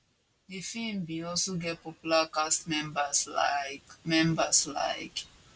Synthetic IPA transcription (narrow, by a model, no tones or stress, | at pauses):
difĩmbiɔlsoɡɛt̚pɔpjulakastmɛmbasamɛ̃mbəsla̰ɪk